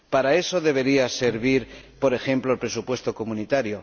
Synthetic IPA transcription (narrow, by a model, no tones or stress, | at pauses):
paɾae̞so̞ðe̞βe̞ɾiase̞ɾβ̞iɾpo̞ɾe̞xe̞mploelpɾesupwe̞st̪o̞ko̞mũnit̪aɾjo